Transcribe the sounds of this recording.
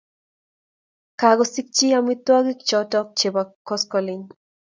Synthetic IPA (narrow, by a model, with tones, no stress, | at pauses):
ka˨ɡɔsi˦k̚t͡ʃi˦amit̪wa˦ɡi˦k̚t͡ʃɔtɔ˦k̚t͡ʃe˨ba˨kːɔskɔliɲ